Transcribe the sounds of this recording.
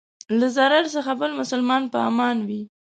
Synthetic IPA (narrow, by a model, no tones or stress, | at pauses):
lazaɾaɾsəxabəlmʊsəlmɑnpəɑ̰mɑnwi